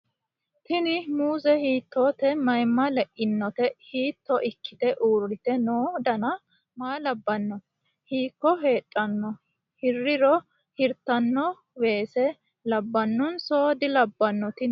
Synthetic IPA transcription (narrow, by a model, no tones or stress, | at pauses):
t̪ɪnɪmuːzɛhiːt̪ːoːt̪ɛmɐjmːɐlɛʔɪnːɔt̪ɛhiːt̪ʰːɔʔɪkʰːɪt̪ɛʔuːrːɪt̪ɛnoːd̪ɐnɐ | maːlɐbːɐnːɔ | hiːkːɔɦe̞ːtʼːɐnːɔ | hɪrːɪɾɔ | hɪɾt̪ːɐnːɔ | we̞ːsɛ | lɐbːɐnːɔnso̞ːd̪ɪlɐbːɐnːɔt̪ɪ